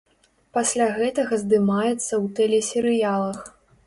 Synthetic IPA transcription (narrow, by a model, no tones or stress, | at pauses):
pasʲlʲaɣɛt̪ɐɣɐzd̪ɨmajɛt̪sːɐwt̪ɛlʲɛsʲɛɾɨjalˠɐx